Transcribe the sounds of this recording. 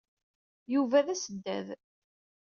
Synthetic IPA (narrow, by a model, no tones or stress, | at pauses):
juvæðæsəd̪ːæ̰ð